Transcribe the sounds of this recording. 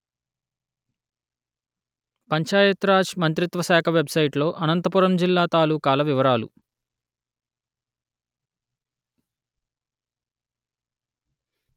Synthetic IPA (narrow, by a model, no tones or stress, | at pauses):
pɐɲt͡ʃaːjɐt̪ɾaːd͡ʒmɐnt̪ɾit̪ʋɐʃaːkʰɐʋe̞bsɐjʈlo̞ːʔɐnɐnt̪ɐpuɾɐmd͡ʒilːaːt̪aːlukaːlɐʋiʋɐɾaːlṵ